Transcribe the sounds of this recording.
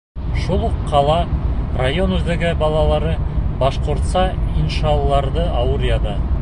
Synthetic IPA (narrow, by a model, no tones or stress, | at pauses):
ʃulˠqʰːɑlˠɑrajo̞nwɵzd̪eɡʲɪbɑlˠɑlˠɑɾəbɑʃqʊɾt̪sɑinʃɑlˠːɑɾd̪əɑwuɾjɑd̪ə